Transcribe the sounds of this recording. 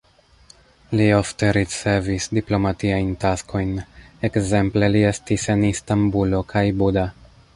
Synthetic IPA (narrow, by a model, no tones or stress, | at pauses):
liofte̞ɾit͡se̞visdiplo̞matiajntasko̞jne̞kze̞mple̞lie̞stise̞nistambulo̞kʰajbuda